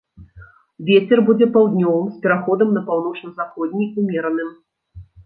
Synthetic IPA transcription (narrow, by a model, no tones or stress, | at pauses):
vʲet͡sʲɛrbud͡zʲɛpawd̪nʲɔvɨmsʲpʲɛɾaxɔd̪ɐmnɐpawn̪ɔt͡ʂnɐzaxɔd̪ʲnʲiumʲɛɾɐnɨm